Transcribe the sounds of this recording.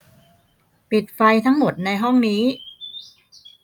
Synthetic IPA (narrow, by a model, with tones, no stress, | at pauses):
pi˨˩t̪̚fa˧jt̪ʰa˦˥ŋmo˨˩t̪̚na˧jɦɔ˥˩ŋniː˦˥